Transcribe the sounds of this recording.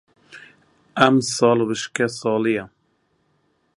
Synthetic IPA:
æmsɑːlbɨʃkɛsɑːlijɛ

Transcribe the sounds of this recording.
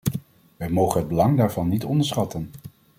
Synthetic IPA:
ʋɛjmowχənɦəd̚bəlɑŋdaːɹvɑnːitɔndəɹsχɑtən

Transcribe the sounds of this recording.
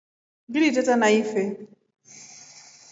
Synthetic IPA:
ɡɪɾitetanaife

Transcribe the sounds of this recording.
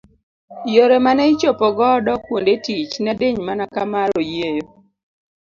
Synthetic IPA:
joɾemanɛɪt͡ʃopɔɡɔdɔkwondetit͡ʃnadeɲmanakamaɾojejo

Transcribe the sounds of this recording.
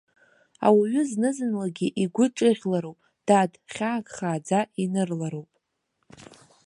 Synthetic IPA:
a̰waɥʏznɨzɨnlaɡʲiʔiɡʷʊʈ͡ʂʼɨʁʲlaɾowpʼ | d̥adχʲaːkʼχaːd͡zainɨrlaɾowpʼ

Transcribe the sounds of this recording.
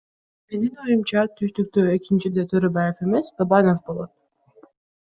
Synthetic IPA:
me̞ninojumt͡ʃɑt̪ʰyʃt̪yk̚t̪øekint͡ʃid̪et̪ʰøɾøbɑjefe̞me̞sbabɑno̞fbo̞lˠot̪̚

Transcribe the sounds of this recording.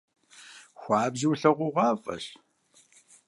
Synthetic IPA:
xʷɑːbziwɬɐʁʷʊʁʷɑːfʼɐ̰ɕ

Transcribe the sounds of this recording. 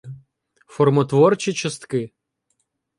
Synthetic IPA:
fɔrmɔt̪ʋɔrt͡ʃʲit͡ʃɐst̪kɪ

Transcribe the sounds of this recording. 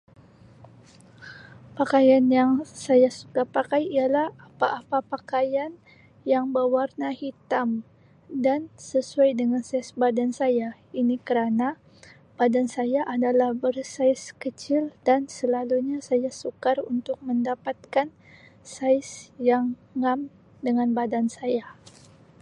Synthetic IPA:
pakajanjaŋsajasukapakajialahapaʔːpapakajan | jaŋbəwarnahit̪am | dansəsuajdəŋansajsbadansaja | inikəɾana | b̥adansajaʔadalahbərsajskət͡ʃɪldansəlaluɲasajasukarunt̪ʊk̚məndapat̪̚kan | sajsjaŋːam | dəŋanbadansaja

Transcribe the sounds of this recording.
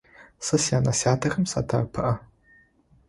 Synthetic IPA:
sɨsjaːnasjaːtʰɐxɨmsa̰tʰa̰rpʰɨʔɐ

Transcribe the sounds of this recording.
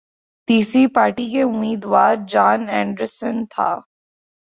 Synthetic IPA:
t̪iːsɾipaːɾʈikeʊmːiːd̪ʋaːɾd͡ʒaːnɛ̃ːɳɖəɾsə̃nt̪ʰa̰ː

